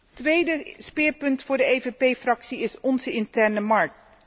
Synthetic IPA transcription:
tʋejdəspɪːɹpɵntfʊːɹdəejvepejfrɑksiɪsɔnzəɪntɛɹnəmɑɹk̚t

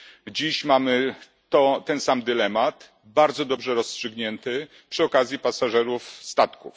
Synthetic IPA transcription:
d͡ʑiɕmamɘ | t̪ɔt̪ɛnsamd̪ɘlɛmat̪ | baɾd̪zɔd̪ɔbʐɛɾɔstʂɘɡɲɛnt̪ɘ | pʂɘɔkazʲjipasaʐɛɾufst̪at̪kṵf

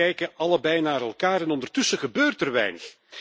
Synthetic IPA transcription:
ɛjkəɑləbɛjnaːɾɛlˠkaːɾɛnɔndərtɵsəɣəbøːrtərʋɛ̰jnəx

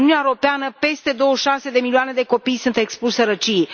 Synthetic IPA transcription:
nuneaeɾo̞peanəpe̞st̪e̞d̪o̞wəʃase̞d̪e̞milioane̞d̪e̞ko̞pijsunt̪e̞kspuʃsəɾət͡ʃi

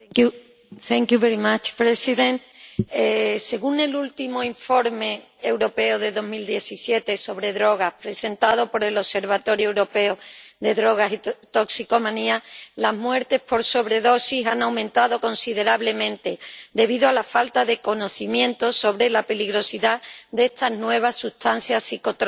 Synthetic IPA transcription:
θɛŋkjuβeɾimat͡ʃpɾesiðẽnt̪ese̞ɣunelult̪imoiɱfo̞ɾme̞ː | wɾo̞pe̞oðe̞ðo̞ɦmild̪je̞θisje̞t̪e̞so̞βɾe̞ðɾo̞ɣ̞ahpɾe̞se̞nt̪að̞o̞po̞ɾe̞lo̞se̞ɾβat̪o̞ɾjoewɾo̞pe̞oðe̞ðɾo̞ɣ̞asit̪o̞ksiko̞mãnialaɦmwe̞ɾt̪e̞hpo̞ɾso̞βɾe̞ðo̞sisaŋawmẽ̞nt̪aðo̞ko̞nsið̞e̞ɾaβle̞mẽnt̪e̞d̪e̞β̞iðoalafalt̪aðe̞ko̞no̞θimjẽ̞nt̪o̞so̞βɾe̞lape̞liɣɾo̞siðaðd̪ee̞st̪aɦnwe̞β̞asut̪an̟θjasiko̞t̪ɾ

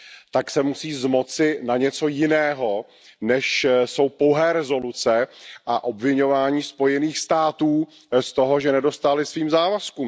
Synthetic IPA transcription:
t̪aksɛmusiːzmo̞t͡sɪnaɲɛt͡so̞jɪnɛːɦo̞ | nɛʃso̞wpo̞wɦɛːɾɛzo̞lut͡sɛʔaʔo̞bvɪɲo̞vaːɲiːspo̞jɛniːxst̪aːt̪uː | st̪o̞ɦo̞ʒɛnɛdo̞st̪alɪsviːmzaːvaskuːm

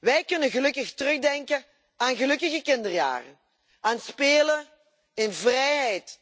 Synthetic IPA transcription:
ʋɛjkɵnənɣəlɵkəxtərɵχdɛŋkə | aːnɣəlɵkəɣəkɪndərja̰ːrə̰n | aːnspeːlə | ɪnvrɛjɦɛjt

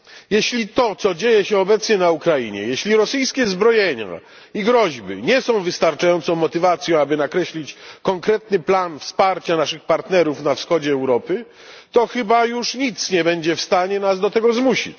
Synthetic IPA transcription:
jeɕlʲit̪ɔt̪sɔd͡ʑejɛɕɛɔbɛt̪sɲɛnaukɾaiɲɛ̰jeɕlʲiɾɔsɘjskʲɛzbɾɔjeɲa̰ | iɡɾɔʑbɘ̰ɲɛsɔ̃w̃vɘst̪aɾt͡ʂajɔnt̪sɔ̃w̃mɔt̪ɘvat̪sʲjɔ̃abɘnakɾɛɕlʲit͡ɕkɔŋkɾɛt̪nɘplanfspaɾt͡ɕanaʂɘxpaɾt̪nɛɾufnafsxɔd͡ʑɛːwɾɔpɘ | t̪ɔxɘbajuʂɲit̪sɲɛbɛɲd͡ʑɛfst̪aɲɛnazd̪ɔt̪ɛɡɔzmuɕḭt͡ɕ

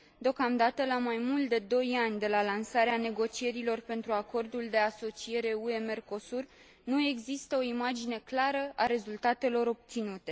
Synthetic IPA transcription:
d̪eo̞kamd̪at̪əlamajmult̪̚d̪e̞d̪o̞janʲd̪e̞lalansaɾeane̞ɡo̞t͡ʃie̞ɾilo̞rpe̞nt̪ɾuako̞rd̪uld̪e̞aso̞t͡ʃie̞ɾe̞ue̞me̞rko̞sur | nue̞ɡzist̪əo̞imad͡ʒine̞klaɾəʔaɾe̞zult̪at̪e̞lo̞ɾo̞b̚t̪sinut̪e̞

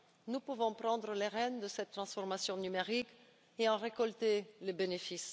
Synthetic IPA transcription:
nupuvɔ̃pχɑ̃d̪ʁəleʁɛnd̪əsɛt̪ːχɑ̃sfɔʁmasjɔ̃nymeʁik | eɑ̃ʁekɔlt̪elebenefis

